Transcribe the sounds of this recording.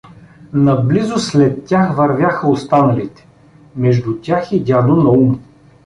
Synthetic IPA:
nɐblizʊslɛt̪ːʲaxvɐɾvʲjaxəost̪anɐlit̪ɛ̥ | mɛʒd̪ʊt̪ʲaxid̪ʲad̪onɐum

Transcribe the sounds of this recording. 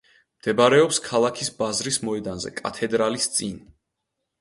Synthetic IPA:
md̪̥ɛbaɾɛɔpskʰalˠakʰisbazɾismɔɛd̪anzɛ̰kʼa̰t̪ʰɛd̪ɾalist̪sʼin

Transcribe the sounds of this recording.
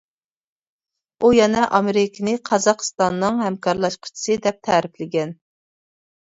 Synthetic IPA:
ujɛnɛʔɑmeɾɪkʲʰɪnɪqʰɑzɑqʰə̥st̪ɑnːɨŋhɛmkʰɑɾlˠɑʃqʰʊ̥t͡ʃʰi̥sɨd̪ɛp̚t̪ʰɛɾɪplɪɡʲɛn

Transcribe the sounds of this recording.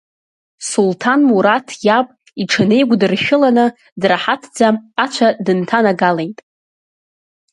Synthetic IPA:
sultʰanmuɾatʰjapʼ | iʈ͡ʂʰɨne̞jɡʷdɨrʃᶣʊlanɨ | draħatʰd͡zaːt͡ʃʷʰadɨntʰanaɡalejtʼ

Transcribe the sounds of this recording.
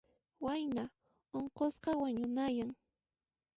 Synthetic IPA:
wajna | oɴqosqɑwaɲʊnajaŋ

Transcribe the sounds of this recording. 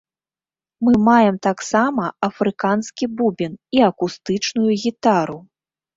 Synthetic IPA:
mɨmajɛmt̪aksamɐɐfɾɨkanskʲibubʲiniɐkust̪ɨt͡ʂnujuɣʲit̪aɾu

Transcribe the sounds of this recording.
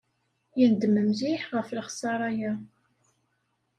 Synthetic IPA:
jənd̪məmziħʁəfləχsɑɾˤɑjæ

